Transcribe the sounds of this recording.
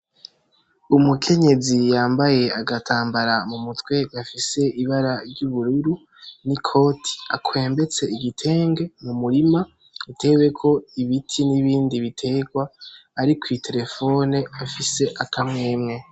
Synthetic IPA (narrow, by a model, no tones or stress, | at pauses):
umukʰe̞ɲe̞zijaːmbaje̞aɡatʰaːmbaɾamumutwe̞ɡafise̞ʔiβaɾaɾɟuβuɾuɾu | nikʰo̞ːtʰi̥akʰwe̞ːmbe̞t͡se̞iɡitʰe̞ːŋɡemumuɾima | utʰe̞we̞kʰo̞iβitʰiniβiːndiβitʰe̞ɡwaːɾikwitʰe̞ɾe̞fo̞ne̞afise̞ʔakʰamŋe̞ːmŋe̞